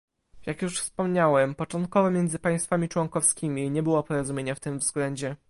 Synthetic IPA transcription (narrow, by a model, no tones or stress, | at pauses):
jakjuʂfspɔmɲawɛmpɔt͡ʂɔnt̪̚kɔvɔmʲjɛnd̪zɘpaj̃st̪famʲit͡ʂwɔŋkɔfskʲimʲiɲɛbɘwɔpɔɾɔzumʲjeɲaft̪ɘmvz̥ɡlɛɲd͡ʑɛ